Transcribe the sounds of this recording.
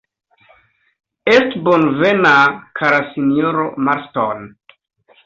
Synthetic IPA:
estbonvenakʰaɾasinioɾomaɾton

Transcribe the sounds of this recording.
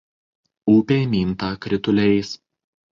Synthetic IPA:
uːpʲeːmʲiːnt̪ɑːkɾʲɪt̪ʊlʲɛɪs

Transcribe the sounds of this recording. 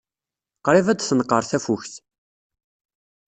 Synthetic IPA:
qɾivæd̪θənəqːəɾˤθæfuçθ

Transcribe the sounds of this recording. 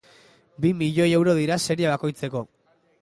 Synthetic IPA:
bimiʎo̞je̞wɾo̞ðiɾase̞ɾiaβ̞ako̞jt͡se̞ko̞

